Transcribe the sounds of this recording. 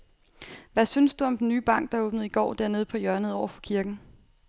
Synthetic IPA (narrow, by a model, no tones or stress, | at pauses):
ʋæsynsd̥uɒ̽md̥en̩nyːb̥ɑ̈ŋ̰ɡ̥d̥ɑ̈ɐo̽ːb̥nəð̞̩ˠiɡ̥ɒ̰ːd̥æɐne̝ːð̞̩ˠpʰɒ̽jɶɐnəðˠɒʊɐfɒkʰiɐɡ̥n̩